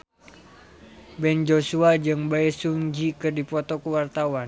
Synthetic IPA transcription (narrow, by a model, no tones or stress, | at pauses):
bɛnd͡ʒosuad͡ʒɨŋbaɛsuɲd͡ʒikɨrdipɔt̪ɔkuwart̪awan